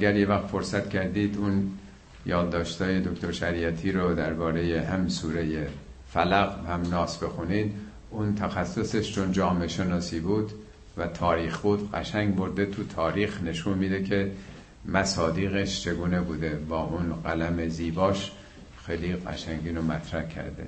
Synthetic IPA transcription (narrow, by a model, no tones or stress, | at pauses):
æɡæɾjevæxt̪fo̞ɾsæt̪cʰæɾd̪iːd̪un | jɒːd̪d̪ɒːʃt̪ɒːje̞d̪o̞kt̪oɾʃæɾiæt̪ʰiːɾod̪æɾbɒːɾe̞jehæmisuːɾeje | fælæɣhæmnɒːsbe̞xunid̪ | unt̪ʰæxæsːo̞seʃt͡ʃʰond͡ʒɒːmeʃe̞nɒːsiːbuːd̪ | væt̪ʰɒːɾiːxbuːd̪ɢæ̰ʃæŋɡbo̞ɾd̪e̞t̪ʰut̪ʰɒːɾiːxne̞ʃunmid̪ekʰe̞ | mæsɒːd̪iːɣeʃt͡ʃʰe̞ɡuːne̞buːd̪e̞bɒːʔunɢælæme̞ziːbɒːʃ | xejliɣæ̰ʃæŋɟiːnomæt̪ʰɾæhcʰæ̰ɾd̪ḛ